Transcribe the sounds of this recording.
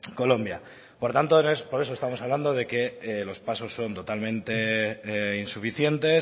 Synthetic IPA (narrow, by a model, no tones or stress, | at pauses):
ko̞lo̞mbja | po̞ɾt̪ant̪onespo̞ɾe̞s̬o̞st̪amo̞saβland̪o̞ð̞e̞ke̞lo̞spaso̞sːo̞nt̪o̞t̪almẽ̞nt̪e̞ | insufiθje̞nt̪e̞s